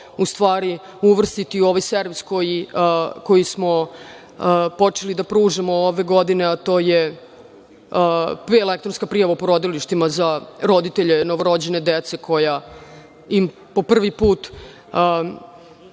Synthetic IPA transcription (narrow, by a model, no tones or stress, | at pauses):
ust̪ʋaːɾi | uʋr̩st̪it̪io̞ʋajseɾʋisko̞jiko̞jismo̞ | po̞t͡ʂelid̪apɾuːʐamooʋe̞ɡo̞d̪ine̞at̪o̞ːje | elek̚t̪ɾonskapɾijaʋapoɾo̞d̪iliʃt̪imazaɾo̞d̪it̪eʎenoʋoɾod͡ʑene̞d̪et̪se̞kʰo̞ja | im | po̞pr̩ʋipuːt̪ː